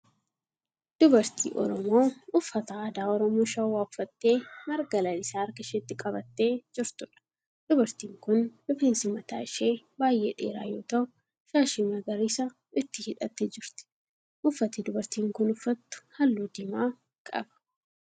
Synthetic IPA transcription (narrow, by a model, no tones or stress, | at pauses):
d̪̥ʊbɐɾt̪ʰḭːʔɔ̰ɾɔmo̞ːʊfːɐt̪ɐːd̪aːɔɾɔmoːʃɐwaːʊfːɐt̪ːe̞ːmɐɾɡɐlɐlɪsaːɐɾkɐʃɛɪt̪ːɪkʼɐbɐt̪ːeːd͡ʒɪɾt̪ʊᶑɐ̥ | d̪̥ʊbɐɾt̪iːŋkʊnlɔfeːnsɪmɐt̪a̰ːɪʃe̞ː | baːjʔḛːᶑḛːɾa̰ːjo̞ːt̪ɐʊ | ʃaːʃimɐɡɐɾisa | ɪt̪ːɪhɪᶑɐt̪ːɛd͡ʒɪɾt̪ɪ̥ | ʔʊfːɐt̪iːd̪ʊbɐɾt̪iːŋkʊnʊfːɐt̪ːʊ̥hɐlːuːd̪ɪmaː | kʼɐ̰bɐ̥